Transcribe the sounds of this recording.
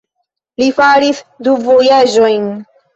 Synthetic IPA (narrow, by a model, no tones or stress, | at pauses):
lifaɾisduvojad͡ʒojn